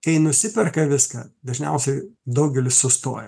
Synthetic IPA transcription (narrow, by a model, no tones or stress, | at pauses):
kɐɪnʊsʲɪpʲɛrkɐʋʲɪskɐ̰ːd̪ɐʒʲnʲɛ̰ʊsʲɛɪd̪ɐʊɡʲɛlʲɪssʊst̪o̰ːjɛ